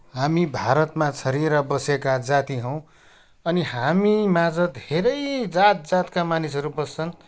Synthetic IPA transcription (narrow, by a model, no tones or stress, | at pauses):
ɦamibʱaɾʌt̪mat͡sʰʌɾiɾʌbʌsekad͡zat̪iɦʌ̃w̃ | ʌniɦamimad͡zʌd̪ʱeɾʌjd͡zat̪̚d͡zat̪kamanisɦʌɾubʌst͡sʰʌn